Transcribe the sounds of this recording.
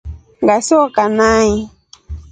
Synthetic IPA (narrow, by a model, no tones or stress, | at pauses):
ŋɡasiwɔkanai